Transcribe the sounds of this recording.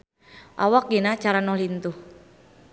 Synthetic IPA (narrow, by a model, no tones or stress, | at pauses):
ʔa̰wak̚ɡinat͡ʃaɾanɔhlint̪uh